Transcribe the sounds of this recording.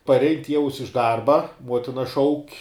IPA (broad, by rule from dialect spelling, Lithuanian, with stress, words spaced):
pɐrʲˈɛɪn ˈtʲiɛʊs ɪʃ ˈdɐrbɐ ˈmuɔtʲɪnɐ ˈʃɐʊkʲ